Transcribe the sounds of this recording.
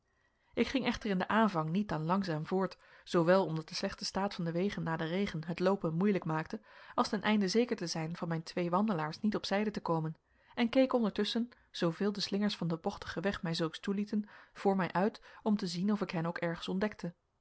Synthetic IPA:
ʔɪkχɪŋɛχtərɪndəʔaːnvɑŋnit̚dɑnlɑŋzaːmvʊːɹt | z̥owʋɛlˠɔmdɑt̚dəslɛχtəstaːtfɑndəʋejχənːaːdərejχənɦətlowpənmujləkmaːk̚təɑlˠstɛnʔɛjndəzejkəɹtəzɛjnv̥ɑnmɛjntʋejʋɑndəlaːɹsnitɔpsɛjdətəkowmən | ʔɛnkejkɔndəɹtɵsən | z̥owvɪːlˠdəslɪŋəɹsfɑndəbɔχtə̥χəʋɛχmɛjzɵlˠkstulitənv̥ʊːɹmɛjʔœɥtɔmtəzinɔfɪkɦɛnowkɛɹχənsɔndɛk̚tʰə

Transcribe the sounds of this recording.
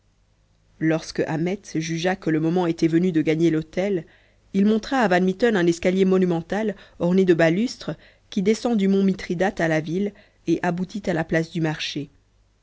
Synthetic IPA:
lɔʁskəʔamɛt̪ʒyʒakələmɔmɑ̃et̪ɛvənyd̪əɡaɲelot̪ɛl | ilmɔ̃t̪χaːvanmit̪ɔnɛ̃nɛskaljemɔnymɑ̃t̪alɔʁned̪əbalyst̪χə | kʲid̪esɑ̃d̪ymɔ̃mit̪χid̪at̪alavil | eʔabut̪it̪alaplasd̪ymaʁʃe

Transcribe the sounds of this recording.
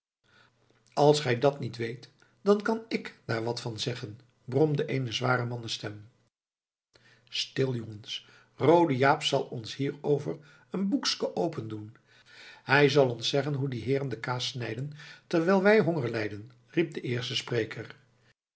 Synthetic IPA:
ɑlˠsχɛjdɑtnitʋejt | d̥ɑnkɑnɪkd̥aːɹʋɑtfɑnzɛχən | brɔmdəʔejnəzʋaːɾəmɑnəstɛm | stɪlˠjɔŋəns | rowdəjaːpsɑlˠɔnshiːɹowvər | ənbukskəʔowpəndun | ɦɛjzɑlˠɔnsɛχənɦudiɦɪːrəndəkaːsnɛjdəntɛɹʋɛlˠʋɛjɦoŋəɹlɛjdən | rip̚dəʔɪːɹstəsprejkʰər

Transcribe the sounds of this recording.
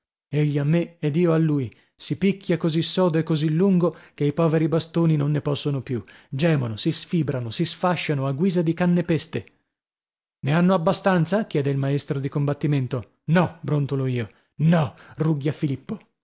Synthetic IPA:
eʎːiamːeɛd̪iːoalːuːj | sipikʰʲːjakozisːɔːd̪oekːozilːuŋɡokeipɔːveɾibast̪oːninonːepɔsːonopjud͡ʒɛːmonosisfiːbɾanosisfaʃːanoaɡːwiːzad̪ikanːepest̪e | neanːoabːast̪ant̪sakjɛːd̪eilmaest̪ɾod̪ikombat̪ːiment̪o | nɔbɾont̪oloiːo | nɔruɡːjafilipːo

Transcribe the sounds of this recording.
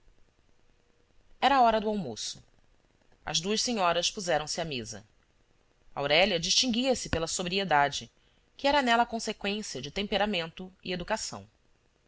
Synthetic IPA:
ɛɾɐaːɔɾɐd̪ʊawmo̰sʊ | ɐ̰zd̪uɐʃseɲɔɾɐspuzɛɾɐ̃w̃sɪamezɐ̰ | awɾɛlɐd͡ʒiʃt͡ʃĩŋɡʲiɐsɪpelɐsobɾied̪ad͡ʒɪ | kɪɛɾɐnɛlɐkõsekwẽsiɐd͡ʒɪt̪ẽmpeɾamẽnt̪ʊḭed̪ukasɐ̰̃w̃

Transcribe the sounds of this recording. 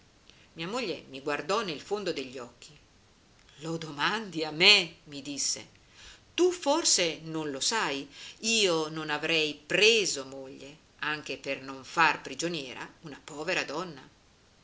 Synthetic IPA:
miːamoʎːemiɡward̪ɔnelfond̪od̪eʎːɔkʰːi | lod̪omand̪iamːemid̪isːḛ | t̪uforsenonlosajiːononavɾɛjpɾeːzomoʎːe | aŋk̟epernoɱfarpɾid͡ʒonjɛːɾa̰unapɔːveɾad̪ɔnːa̰

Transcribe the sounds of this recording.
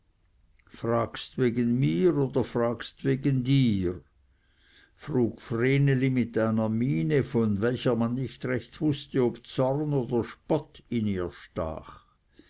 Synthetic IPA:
fʁaːkstveːɡənmiːʁoːd̥̪ɐfʁaːkstveːɡəndiːʁ | fʁuːkfreːnelimɪtaɪnɐmiːnəfɔnvɛlçəmanːɪçtʁɛçt̪vʊstəobt͡sɔʁnoːd̪ɐʃpɔtʰɪniːɐʃta̰ːχ

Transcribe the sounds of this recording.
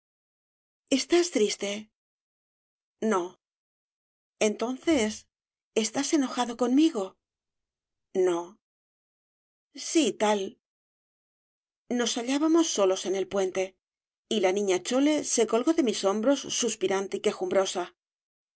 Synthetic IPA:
e̞st̪ast̪ɾist̪e̞ | no̞ | e̞nt̪o̞n̟θe̞s | e̞st̪ase̞no̞xaðo̞ko̞nmiɣo̞ | no̞ | sit̪al | no̞saʎaβamo̞sːo̞lo̞se̞ne̞lpwe̞nt̪e̞ | ilanĩɲat͡ʃo̞le̞se̞ko̞lɣo̞ðe̞miso̞mbɾo̞sːuspiɾant̪ike̞xumbɾo̞sa

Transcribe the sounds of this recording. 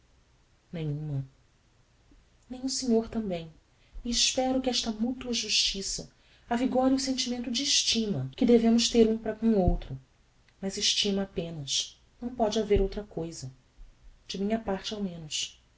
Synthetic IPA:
nẽjɲ̃ũmɐ | nẽj̃ʊseɲoɾt̪ɐ̃mbẽj̃ | iɪʃpɛɾʊkɪɛʃt̪ɐmut̪uɐʒuʃt͡ʃisɐ | aviɡɔɾiʊsẽnt͡ʃimẽnt̪ʊd͡ʒɪːʃt͡ʃĩmɐkɪd̪evẽmʊʃt̪eɾũpɾɐkõw̃owt̪ɾʊ | mɐzɪʃt͡ʃimɐːpẽnɐs | nɐ̃w̃pɔd͡ʒɪaveɾowt̪ɾɐkojzɐ | d͡ʒɪmĩɲɐpaɾt͡ʃɪawmẽnʊʃ

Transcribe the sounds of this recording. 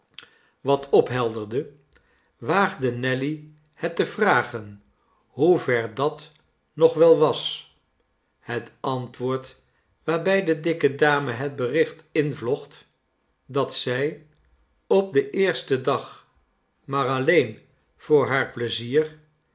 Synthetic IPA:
ʋɑtʰɔpɦɛlˠdəɹdə | ʋaːχdənɛli | hɛtəvraːχən | ɦuvɛɹdɑt | nɔχʋɛlˠʋɑs | hətɑntʋʊːɹt | ʋaːɹbɛjdədɪkədaːməɦəd̚bərɪχtɪnvlɔχt | dɑtsɛj | ɔp̚dəʔɪːɹstədɑχ | maːɹɑlejn | v̥ʊːɹɦaːɹpləziːr

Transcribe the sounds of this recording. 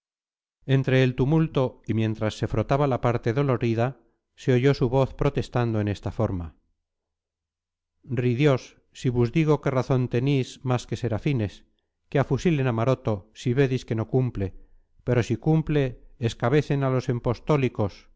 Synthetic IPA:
e̞nt̪ɾe̞ːlt̪umult̪o̞imje̞nt̪ɾasːe̞fɾo̞t̪aβalapaɾt̪e̞ðo̞lo̞ɾiða | se̞oʝo̞suβo̞θpɾo̞t̪e̞st̪and̪oe̞nest̪afo̞ɾma | riðjo̞sː | iβuzðiɣo̞ke̞raθo̞nt̪e̞nizmaske̞se̞ɾafine̞s | keafusilenamaɾot̪o̞siβe̞ðiske̞no̞kumple̞ | pe̞ɾo̞sikumple̞ːskaβe̞θe̞nalo̞se̞mpo̞st̪o̞liko̞s

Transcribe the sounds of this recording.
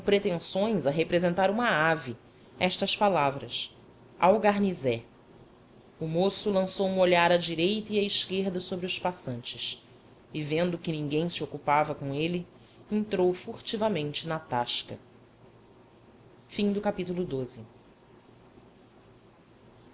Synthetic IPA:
õpɾet̪ẽsõj̃zɐɦepɾezẽnt̪aɾũmɐavi | ɛʃt̪ɐspalavɾɐs | a̰wɡaɾnizɛ | ʊmosʊlɐ̃sowũoʎaɾɐd͡ʒiɾejt̪ɐiɐiʃkeɾd̪ɐsobɾiʊʃpasɐ̃nt͡ʃɪs | ɪvẽnd̪ʊkɪnĩɡẽj̃sɪokupavɐkõelɪ | ẽnt̪ɾowfuχt͡ʃivɐmẽnt͡ʃɪnɐt̪aʃkɐ̰ | fĩŋd̪ʊkapit̪ulʊd̪ozɪ

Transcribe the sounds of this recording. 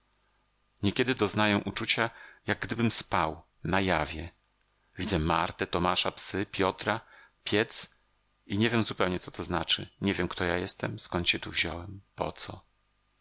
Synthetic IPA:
ɲɛkʲɛd̪ɘd̪ɔznajɛ̃ʔut͡ʂut͡ɕajaɡ̚ɡd̪ɘbɘmspaw | najavʲjɛ | vʲid̪zɛmaɾt̪ɛt̪ɔmaʂapsɘpʲjɔt̪ɾa | pʲjɛt̪s | iɲɛvʲjɛmzupɛwɲɛt̪sɔ̥t̪ʰɔznat͡ʂɘɲɛvʲjɛmkt̪ɔjajɛst̪ɛmskɔnt̪ɕɛt̪uvʑɔwɛmpɔ̰t̪sɔ

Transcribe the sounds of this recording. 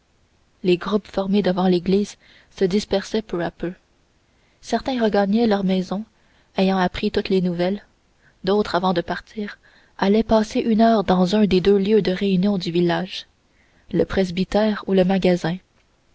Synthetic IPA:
leɡʁupfɔʁmed̪əvɑ̃leɡliːz | səd̪ispɛʁsɛpøapø | sɛʁt̪ɛ̃ʁəɡaɲɛlœʁmɛzɔ̃ | ejɑ̃apχit̪ut̪lenuvɛl | d̪oʊt̪χavɑ̃d̪əpaʁt̪iːʁ | alɛpaːseʔynœːʁd̪ɑ̃zœ̃d̪ed̪øljød̪əʁeynjɔ̃d̪yvilaːʒ | ləpχezbit̪ɛːʁuləmaɡazɛ̃

